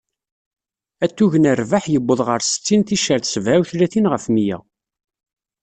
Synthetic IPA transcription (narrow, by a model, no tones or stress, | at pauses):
æt̪ːuʝənərvaħjəbːəðˤʁəɾsə̥t͡sːinθiʃəɾθsvæwθlæθinʁəfmijæ̰